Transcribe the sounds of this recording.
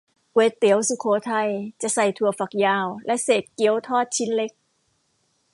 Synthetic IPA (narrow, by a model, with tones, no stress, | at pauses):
weː˨˧˥t̪i˩˦əwsu˧kʰoː˨˦t̪ʰa˧˩jt͡ɕa˨˩ʔsa˧˩jt̪ʰu˧˩ɐfa˨˩k̚jaː˧˩wlɛ˦˥ʔseː˨˩t̪̚ki˧˦əwt̪ʰɔː˥˩t̪̚t͡ɕʰi˦˥nle˧˦˥k̚